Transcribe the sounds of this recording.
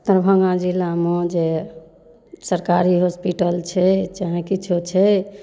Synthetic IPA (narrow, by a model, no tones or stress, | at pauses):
t̪əɾbʱə̃ɡãd͡ʒilamõd͡ʒe | səɾkaɾiɦospiʈəlt͡ʃʰɛt͡ʃəɦẽkit͡ʃʰut͡ʃʰɛ